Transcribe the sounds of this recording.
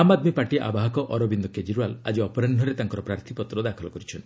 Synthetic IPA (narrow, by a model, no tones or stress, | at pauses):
amad̪mipaʈiʔa̰baɦɔkɔʔɔɾɔbind̪ɔked͡ʒiɾuala̰d͡ʒiɔpɔɾanɖʱɔɾet̪aŋkɔɾɔpɾaɾt̪ʰipɔt̪ɾɔd̪akʰɔlɔkɔɾit͡ʃʰɔn